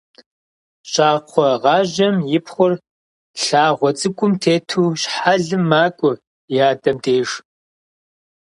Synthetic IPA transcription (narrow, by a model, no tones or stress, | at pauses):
ɕʼaːqʷʰɔʁɑːʑɐmjɪpχʷʊr | ɬaːʁʷɔt͡sʼɨkʷʼʊmtʰeːtʰuːɕħaɮɨmːaːkʷʼʊ | jaːdɐmdʰeːʂ